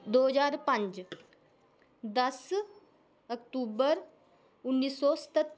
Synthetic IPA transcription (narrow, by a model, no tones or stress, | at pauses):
d̪oɦəd͡ʒaːɾpə̃ɲt͡ʃ | d̪əs | ək̚ʈuːbəɾ | unːiːsːɔst̪ət̪ː